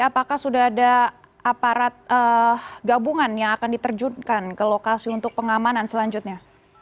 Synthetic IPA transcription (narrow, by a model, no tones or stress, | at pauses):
apakahsudaɦada | apaɾat̪̚əɡabuŋanjaŋakandit̪ərd͡ʒud̪kankəlokasiunt̪ʊk̚pəŋamanansəlaɲd͡ʒʊt̪̚ɲa